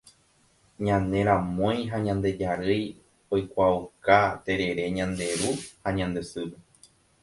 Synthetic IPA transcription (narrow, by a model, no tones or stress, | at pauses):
ɲãnẽ̞ɾ̃ãmõj̃ɦaɲãnd̪e̞d͡ʒaɾɨj | ojkʷaukat̪e̞ɾe̞ɾe̞ɲãnd̪e̞ɾuhaɲãnd̪esɨɾɨ